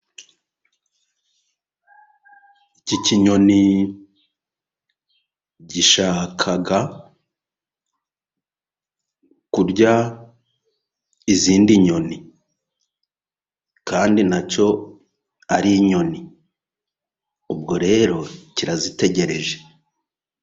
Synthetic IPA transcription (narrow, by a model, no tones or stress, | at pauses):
iciciɲo̞ni | ɟiʃaːkʰaɡa | kuɾɟa | iziːndiɲo̞ni | kaːndinaco̞ | aɾiɲo̞ni | ub̚ɡo̞ɾe̞ːɾo̞ciɾazite̞ɟe̞ɾe̞ʒe̞̥